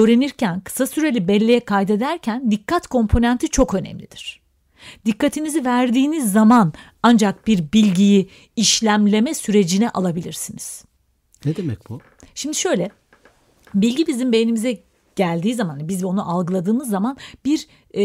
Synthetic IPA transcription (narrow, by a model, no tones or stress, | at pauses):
øːɾe̞niɾcʰænkʰɯ̥sasyɾe̞lʲibɛlʲːejɛkʰajd̪e̞d̪æɾcʰænd̪ikʰːat̪kʰo̞mpʰo̞nænt̪ʰit͡ʃʰo̞kø̞nɛ̰mlʲḭd̪̥iɾ̝̥ | d̪̥ikːat̪ʰinizivæɾd̪iːnizːaman | and͡ʒak̚b̥iɾbilʲɟiji | iʃlʲæmlʲe̞mɛsyɾe̞d͡ʒinɛʔalˠabilʲiɾsiniz̥ | ned̪emɛ̰c̚bu | ʃimd̪iʃø̞jlʲɛ | bilʲɟibizimbejenimizɛ | ɟ̥ælʲd̪iːzamanh̪anibizo̞nuʔalˠɡɯlˠad̪ɯːmɯzːamanbiɾ